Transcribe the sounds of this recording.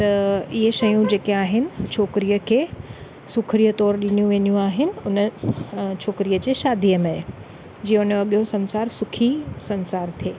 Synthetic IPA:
t̪ɐiɦəʃɐjũd͡ʑeːkeaːɦɪnɪ̆t͡ɕʰoːkɾiːəkʰeː | sʊkʰɾiːət̪ɔːɾɗɪnijũʋeːnijũaːɦɪnɪ̆ʊnə | t͡ɕʰoːkɾiːəd͡ʑeːʃaːd̪ʱijəmẽ | d͡ʑiːəʊnɐɠjõsɐ̃nsaːɾsʊkʰisɐ̃nsaːɾt̪ʰieː

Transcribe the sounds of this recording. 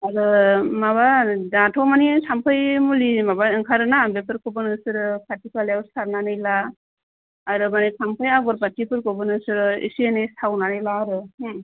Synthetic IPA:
aɾɯmaβadatʰɔmanisʰampʰɯjmulimabaɯŋkʰaɾɯnabepʰɯɾkʰɔbɯnɯsɯɾɯpʰatipʰalewɾstʰaɾnanɯjlaː | ɾɯmanijtʰampʰɯjaɡɔɾbatipʰɯɾkɔbɯnɯsɯɾɯḭsienestʰawnanɯjlaɾɯhɯ

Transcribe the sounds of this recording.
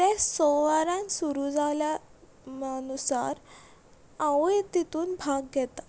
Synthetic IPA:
t̪esɔʋaɾãnsuɾud͡zʱalja | ənusa̰ɾ | ãʋt̪it̪uːnbʱaɡ̚ɡʱɛt̪ḁ

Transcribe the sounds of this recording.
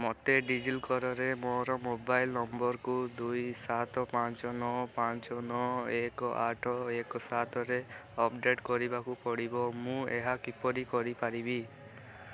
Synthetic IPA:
mɔt̪eɖid͡ʒilkɔɾɔɾemoɾɔmobajlnɔmbɔɾkud̪ujsat̪ɔpant͡ʃɔnɔpant͡ʃɔnɔekɔaʈʰɔekɔsat̪ɔɾeɔpɖeʈkɔɾibakupɔɽibɔmũḛɦakipɔɾikɔɾipaɾibi

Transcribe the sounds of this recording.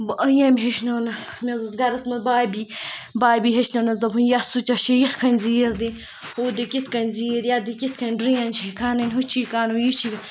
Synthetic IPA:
bʔəjamʲɦeʃnoːnɐsmʲezɐsɡɐɾɐsmɐnbaːbibaːbiːɦɐt͡ʃnɐnɐsd̪ɐbunjasut͡ʃɐʃejit̪ʰkʰɐnʲziːɾd̪i | hod̪ikit̪ʰkɐnʲziːɾjad̪ikit̪̚ʰkɐnɖɾijɐnt͡ʃʰekʰaːnɐnʲɦut͡ʃʰikaːnojit͡ʃʰikɐ

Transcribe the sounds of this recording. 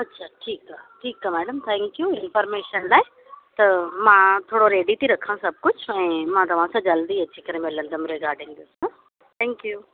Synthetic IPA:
ɐtːɕʰaʈʰiːkaʈʰiːkamɛːɖəmt̪ʰɛ̃ːŋkjuɪ̃nfəɾmeːʃənlaːɪ | t̪ɐmãːt̪ʰoːɽoɾeːɖit̪ʰiɾɐkʰãsɐb̚ʱkʊd͡ʑʰʱʊɛ̃ːmãːt̪ɐʋ̤ãsãd͡ʑɐld̪iɐt͡ɕikɐɾẽmẽlɐ̃nd̪əmɾeɡaːɾɖɪ̃ŋd̪ɪsə̃ | t̪ʰɛ̃ːŋkjuː

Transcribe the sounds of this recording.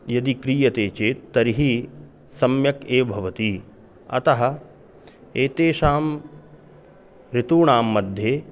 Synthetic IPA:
jɐd̪ikɾiːjɐt̪eːt͡ʃeːt̪ːɐɾiɦi | sɐmjɐkeːbʱɐʋɐt̪i | ɐ̰t̪ɐɦɐ̆ | eːt̪eːʃaːm | ɾit̪uːɳaːmːɐd̪ʱjeː

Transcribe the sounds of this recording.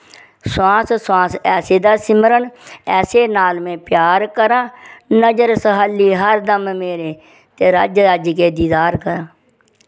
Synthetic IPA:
swãːssãːsɛːseːd̪aːsɪməɾəɳɛːseːnaːlmẽːpjaːɾkəɾãːnəd͡ʒəɾsəɦaːlːiːɦəɾd̪əmmeːɾeː | t̪eːɾaːd͡ʒəːd͡ʒkeːd̪iːd̪aːɾkəɾãː

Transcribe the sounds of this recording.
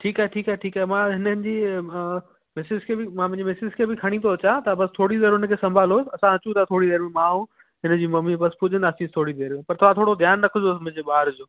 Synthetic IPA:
ʈʰiːkaːɦɛʈʰiːkaɦɛʈʰiːkaːɦɛmãɦɪnənɪ̆d͡ʑiː | mɪsɪd͡ʑkʰeːbɪmãp̬ɐ̃ɪ̃ɲd͡ʑemɪsɪd͡ʑkʰeːbɪkʰɐɽ̃ĩt̪ʰoɐt͡ɕãt̪ɐbɐst̪ʰoːɽid̪eːɾɦʊnə̆kʰeːsɐ̃mbʱaːloːsɪɐsãɐt͡ɕũt̪ʰat̪ʰoːɽid̪eːɾmẽmãːɦũ | ɦɪnə̆d͡ʑiːmɐmibɐspʊd͡ʑʱə̃nd̪aːsiːst̪ʰoːɽid̪eːɾmẽpɐɾt̪ʰɐãt̪ʰoːɽod̪ʱjaːnːɐkʰʊdoːs̬mʊ̃ɦɪ̃d͡ʑeɓaːɾd͡ʑoː

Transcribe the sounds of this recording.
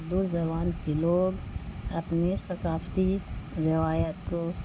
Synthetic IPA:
d̪uːsd͡ʒɐʋaːnkeloːɡɐpnesɐkaːft̪iɾɪʋaːjət̪ko

